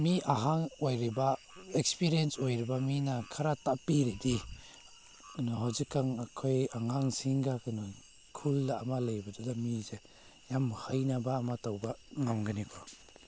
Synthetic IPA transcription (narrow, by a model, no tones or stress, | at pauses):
miaɦaŋojɾiba | ekspiɾiensojɾibaminakʰaɾatapiɾidi | nɔɦawzikːaŋakʰojaŋaŋsiŋɡakɯnɔ | kʰuldaamalajbadudamize | jamhajnabaːmatawbaŋamɡɯnikʰɔ